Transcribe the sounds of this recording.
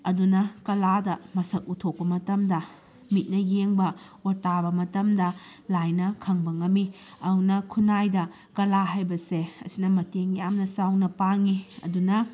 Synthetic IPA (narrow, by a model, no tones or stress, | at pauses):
ɐdunɐkɐladɐmɐsɐk̚utʰok̚pɐmɐtɐmdɐ | mit̚nɐjeŋbɐ | otabɐmɐtɐmdɐlajnɐkʰɐŋbɐŋɐmi | ɐunɐkʰunajdɐ | kɐlaɦajbɐseɐ̰sinɐmɐteŋjamnɐsawnɐpaŋiɐ̰dunɐ